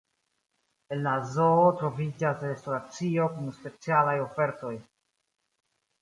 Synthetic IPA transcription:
e̞nlazoːtɾo̞vid͡ʒasɾestoɾat͡sio̞kumspe̞t͡sialajo̞fe̞ɾto̞j

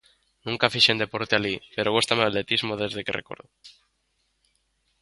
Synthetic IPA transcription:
nũŋkafiʃend̪epoɾt̪ealipe̞ɾoɣust̪amealle̞t̪izmoð̞ezðekḛrʔḛkoɾðo

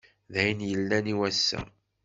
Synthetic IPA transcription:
ðæjənjəlːæniwæsːæ̰

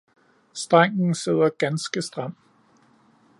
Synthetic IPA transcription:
sd̥ʁaŋ̰n̩se̝ð̞̰ˠɐɡ̥ænsɡ̥əsd̥ʁam̰

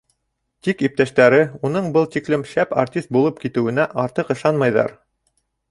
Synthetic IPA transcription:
t̪ikip̚t̪æʃt̪æɾɘunɤɴbɤlˠt̪iklɘmʃæpa̰rt̪ʲist̪̚bulˠɤp̚kit̪ɘ̆wɘ̆næʔɑɾt̪ɤqɤ̆ʃɑnmɑjðɑ̰ɾ

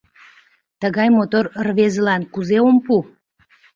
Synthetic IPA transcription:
t̪əɣɑjmot̪orrβezəlɑnkuzeompu

